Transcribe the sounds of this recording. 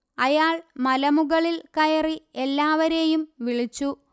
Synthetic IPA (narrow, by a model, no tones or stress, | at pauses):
ɐjaːɭmɐlɐmuɣɐɭilkɐjɐrie̞lːaːʋɐɾe̞jumʋiɭit͡ɕːu